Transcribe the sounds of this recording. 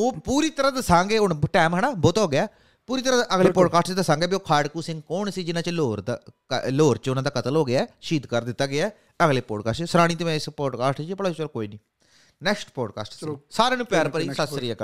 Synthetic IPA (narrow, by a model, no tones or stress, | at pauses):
oːpuːɾiːt̪əɾãːd̪əsãːŋɡeːʊnʈɛːmɦɛɽãːboːt̪ɦoːɡɪaː | puːɾiːt̪əɾãːʔəɡleːpɔːɖkaːsʈt͡ʃd̪əsãːŋɡeɛːbioːkʰaːɖkuːsɪ̃ŋɡkoːɳsiːd͡ʒɪnãːt͡ʃloːɾd̪aːkloːɾt͡ʃʊnãːd̪aːkət̪əlɦoːɡɪaɛːʃiːd̪kəɾd̪ɪt̪ːaːɡɪaː | əɡleːpɔːɖkaːsʈt͡ʃsəɾãːɽ̃iːt̪əʋɛ̃ːɪspɔːɖkaːsʈt͡ʃːpəɽaːt͡ʃəɾkoːiːnĩː | nɛːksʈpɔːɖka̰ːsʈsisaːɾãːnũːpjaːɾpəɾiːsəsɾiaːkə